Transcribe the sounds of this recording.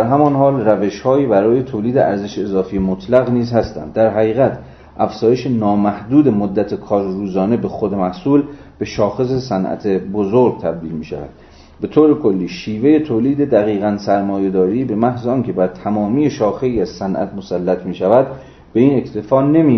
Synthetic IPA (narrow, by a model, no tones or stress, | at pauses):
d̪æɾɦæmɒnɦɒːlræve̞ʃhɒːiːbæɾɒːje̞t̪ʰoːliːd̪e̞ʔæ̰ɾze̞ʃezɒːfiːjemot̪ʰlæɣniːzhæst̪æ̰nd̪ːæɾɦæɣiːɣæt̪ʰ | ʔæfz̥ɒːjeʃenɒːmæhd̪uːd̪emod̪ːæt̪ʰekʰɒːɾruːzɒːne̞bexod̪emæhsuːl | b̥e̞ʃɒːxe̞s̬e̞sænʔæ̰t̪ʰebozoɾɡ̚t̪ʰæb̚d̪iːlmiːʃæ̰væ̰d̪̥ | be̞t̪ʰoːɾe̞kʰo̞lːiːʃiːve̞je̞t̪ʰoːliːd̪ed̪æɣiːɣænsæɾmɒːje̞d̪ɒːɾiːbe̞mæhzeɒːnkʲʰe̞bæɾt̪ʰæmɒːmiːje̞ʃɒːxe̞iːæz̥sænʔæ̰t̪mosælːæt̪ʰmiːʃævæd̪ | b̥e̞iːne̞kt̪ʰe̞fɒːne̞mi